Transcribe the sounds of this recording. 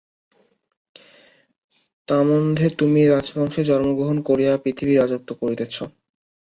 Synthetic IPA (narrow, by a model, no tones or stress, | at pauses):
t̪amond̪ʱet̪umiɾad͡ʑbʱɔŋʃed͡ʑɔɾmoɡɾoɦonkoɾijapɾit̪ʰibiɾad͡ʑot̚t̪ːokoɾit̪et͡ɕʰo